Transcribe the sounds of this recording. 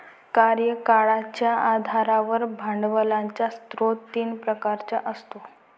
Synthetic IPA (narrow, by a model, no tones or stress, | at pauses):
kaɾjəkaɭat͡ɕjaʔad̪ʱaɾaʋəɾbʱaɳɖʋəlaɲt͡ɕjast̪ɾot̪ːiːnpɾəkaɾt͡ɕaʔəst̪o